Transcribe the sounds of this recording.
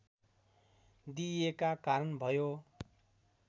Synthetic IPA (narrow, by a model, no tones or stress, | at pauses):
d̪ijekakaɾʌnbʱʌjo